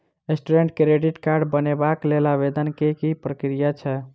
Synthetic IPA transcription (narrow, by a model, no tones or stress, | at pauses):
esʈuɾeɳʈkeɾeɖiʈkaɾɖbənebaklelaβed̪ənkekipɾəkɾijat͡ʃʰɛ